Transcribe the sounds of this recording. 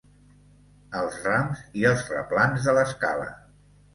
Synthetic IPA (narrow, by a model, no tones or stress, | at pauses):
əlˠzramziəlˠzrə̰planzðələskalə̰